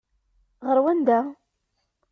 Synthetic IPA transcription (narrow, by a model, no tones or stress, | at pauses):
ʁəɾwænd̪æ